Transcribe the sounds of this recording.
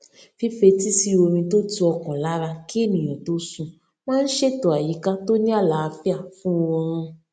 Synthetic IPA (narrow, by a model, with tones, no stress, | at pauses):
fi˦fe˧ti˦si˦o˧ɾ̃ĩ˧to˦tu˧ɔ˧kɔ̃˨la˨˦ɾa˧ki˦e˦˨nĩ˨j̃ɔ̃˨to˨˦sũ˧ | mãː˦n̩˦ʃe˦to˨a˨ji˨˦ka˦to˦nĩ˦a˦˨la˨˦a˧fi˦a˦˨fũ˦˧wɔ˧ɾ̃ɔ̃˧